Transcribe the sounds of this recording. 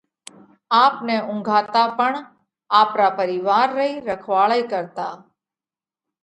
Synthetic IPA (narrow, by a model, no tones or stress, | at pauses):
aːpneʔʊ̃ŋɡʱaːt̪apəɳ | aːpɾapəɾɪʋaːɾːəiɾəkʰʋaːɭəikəɾt̪aː